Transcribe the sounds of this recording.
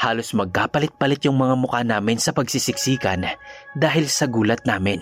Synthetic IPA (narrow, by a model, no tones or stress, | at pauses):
haːlosmɐɡ̚kaːpɐlɪt̪̚pɐlɪt̪jʊŋmɐŋamʊkanaːmɪnsɐpɐɡsisɪksiːkɐnd̪aːɦɪlsɐɡuːlɐt̪̚naːmɪn